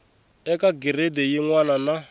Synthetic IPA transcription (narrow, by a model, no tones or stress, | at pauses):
ɛkaɡiɾedejiŋwanana